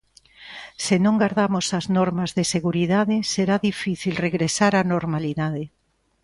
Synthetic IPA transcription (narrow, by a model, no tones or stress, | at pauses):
senõŋɡaɾðamosaznoɾmazðeseɣuɾiðaðeseɾaðifiθilreɣɾesaɾanoɾmaliðaðe